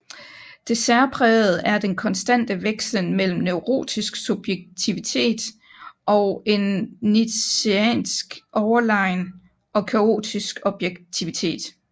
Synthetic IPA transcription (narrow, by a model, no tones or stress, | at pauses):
d̥e̝sæɐpʰʁɛð̩ˠæɐd̥enkʰɒ̽nsd̥æn̰d̥əʋeɡ̥slənmel̰m̩neʊʁo̝̰ːd̥isɡ̥sub̥jeɡ̥̚t͡sʰiʋit͡sʰe̝̰ːd̥ | ʔɒ̽e̝nːieɛ̰nsɡ̥ʔɒʊɐlɑ̈ɪn | ʔɒ̽kʰæo̝̰ːd̥isɡ̥ɒ̽b̥jeɡ̥̚t͡sʰiʋit͡sʰe̝̰ːd̥